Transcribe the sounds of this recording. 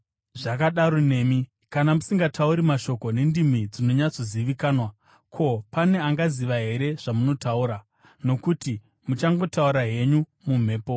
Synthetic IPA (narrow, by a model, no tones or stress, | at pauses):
ʐakaɗaɾo̞ne̞ːmi | kanamusiŋɡatʰauɾimaʃo̞ko̞ne̞ndim̤id͡zino̞ɲat͡so̞ziʋikaːnwa | kʰo̞pane̞aŋɡaziʋaɦe̞ɾe̞ʐ̥amuno̞tauɾa | no̞kuti | mut͡ʃaŋɡo̞tauɾaɦe̞ɲu | mum̤e̞ːpo̞